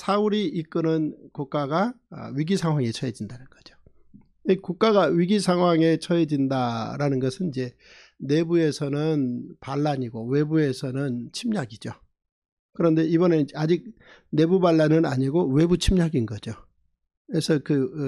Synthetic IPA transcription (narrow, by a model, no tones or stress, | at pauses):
sʰauɾiik͈ɯnɯnkuk̚k͈aɡa̰ | ɥiɡisʰaŋɦwaŋe̞t͡ɕʰʌed͡ʑindanɯnɡ̥ʌd͡ʑo̥ | ikuk̚k͈aɡaɥiɡisʰaŋɦwaŋe̞t͡ɕʰʌed͡ʑindaɾanɯnɡʌsʰɯnid͡ʑe̞ | ne̞bue̞sʰʌnɯnpaɭːaɲiɡowe̞bue̞sʰʌnɯnt͡ɕʰimɲaɡid͡ʑo | kɯɾʌnde̞ibʌned͡ʑead͡ʑik̚ | ne̞bubaɭːanɯna̰ɲiɡowe̞but͡ɕʰimɲaɡinɡʌd͡ʑo | esʰʌkɯ